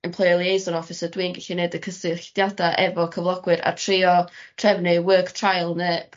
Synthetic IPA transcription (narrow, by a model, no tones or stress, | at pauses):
əmpʰlˠɔjlˠiejzɔnɔfɪsədwiːnɡɪɬineːdəkʰəsɨɬd̥jadaʔɛvɔkʰəvlˠɔɡwɨɾa̰tʰriːɔtʰrɛvnɨwəːktʰrajlˠneːb̥